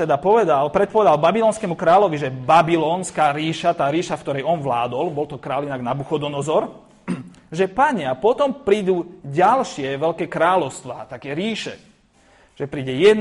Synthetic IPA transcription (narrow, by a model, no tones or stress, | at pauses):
t̪ɛd̪apɔʋɛd̪alpɾɛt̪pɔʋɛd̪albabilɔːnskɛːmukɾaːlɔʋiʒɛbabilɔːnskaːɾiːʃat̪aːɾiːʃafkt̪ɔɾɛjɔnʋlaːd̪ɔlbɔlt̪ɔkɾaːlinaɡnabuxɔd̪ɔnɔzɔɾ | ʒɛpaɲɛapɔt̪ɔmpɾiːd̪uːɟalʃɪɛʋɛʎkɛːkɾaːlɔʊst̪ʋaːt̪akɛɾiːʃɛ | ʒ̥ɛpɾiːɟɛjɛ